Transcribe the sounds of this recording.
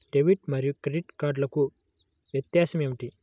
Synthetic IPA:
ɖ̥eʋiʈmɐɾjukɾeɖiʈkaːɾɖlɐku | ʋjɐt̪jaːsɐmemʈi

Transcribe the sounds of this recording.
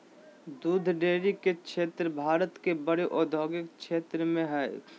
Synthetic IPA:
d̪uːd̪ʱɖeːɾikekʃʰeːt̪ɾəbʱaːɾət̪kebəɽeʔɔːd̪ʱoːɡɪkʃʰeːt̪ɾəmẽɦɛː

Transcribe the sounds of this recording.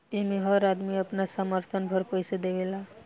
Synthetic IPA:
emeɦəɾad̪miəpnasaməɾt̪ʰənbʱəɾpəjsad̪eʋela

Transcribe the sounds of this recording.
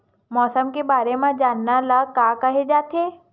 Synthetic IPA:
mɔːsəmkebaːɾemãd͡ʒaːnːalakaːkɐɦed͡ʒaːt̪eː

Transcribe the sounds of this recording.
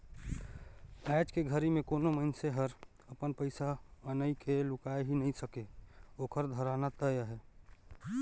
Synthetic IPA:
ɛd͡ʒkeɡʱəɾimẽkoːnoməɪnseɦəɾ | əpənpəɪsaənəikelʊkaːeɦinəɦĩsəkeoːkəɾd̪ʱəɾaːnat̪əjəɦɛː

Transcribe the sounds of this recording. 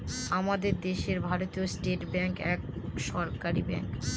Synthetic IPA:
amad̪eɾd̪eʃeɾbʱaɾot̪iosʈeʈbɛŋkɛkʃɔɾkaɾibɛ̰ŋk

